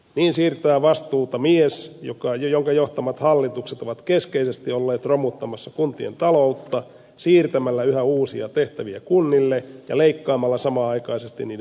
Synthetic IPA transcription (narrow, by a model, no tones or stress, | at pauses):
niːnsiːrt̪æːʋɑst̪uːt̪ɑmiesjokɑjjoŋkɑjoht̪ɑmɑt̪hɑlːit̪ukset̪oʋɑt̪keskeisest̪iolːeːt̪romut̪ːɑmɑsːɑkunt̪ient̪ɑlout̪ːɑ | siːrt̪æmælːæyhæuːsiɑt̪eht̪æʋiækunːilːejɑ̰leikːɑːmɑlːɑsɑmɑːɑikɑisest̪ḭnniːde